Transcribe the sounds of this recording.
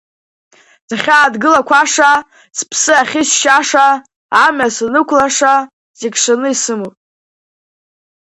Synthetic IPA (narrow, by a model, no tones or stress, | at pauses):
z̥aχʲaːdɡɨlakʷʰaʂa | spʰsɨaχʲɪsʃaʂaː | masanɨkʷʰlaʂa | zekʂanɨisɨmowpʼ